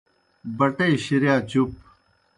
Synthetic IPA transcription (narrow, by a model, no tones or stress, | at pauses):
bɐʈeːɕiɾjaːt͡ɕup̚